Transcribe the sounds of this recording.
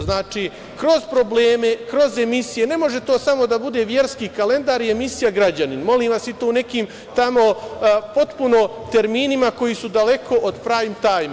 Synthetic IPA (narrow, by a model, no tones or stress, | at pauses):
znaːt͡ʃi | kɾo̞zpɾo̞bleːme̞kɾo̞ze̞misije̞ne̞mo̞ʒe̞t̪o̞ːsamo̞d̪abud̪e̞ʋje̞ɾskiːkale̞nd̪aːɾie̞misijaɡɾad͡ʑaninmo̞liːmʋasit̪oːunekiːm | t̪amo̞po̞t̪puno̞t̪e̞ɾmiːnimako̞jisud̪ale̞kʰo̞ʔod̪pɾaːjmt̪aːjm